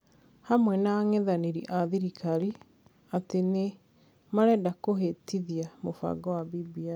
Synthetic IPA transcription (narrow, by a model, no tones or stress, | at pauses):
hamwɛnaŋeðaniɾiʔaðiɾikʰaɾi | atene | maɾɛdakoɦetiðiamofa̰ɡɔwabibia